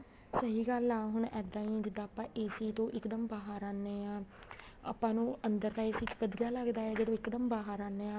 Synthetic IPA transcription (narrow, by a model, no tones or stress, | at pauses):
səɦiːɡəlaːɦʊɳɛːd̪ãːĩːd͡ʒɪd̪ːaːpãːʔeːsiːt̪õːʔɪkd̪əmbaːɦaːɾaːnːeːãː | a̰ːpãːnũːənd̪əɾt̪ãːeːsiːt͡ʃpəd̪ɡaːləɡd̪aːɛːd͡ʒeːdõːɪkd̪əmbaːɦaɾaːnːeːãː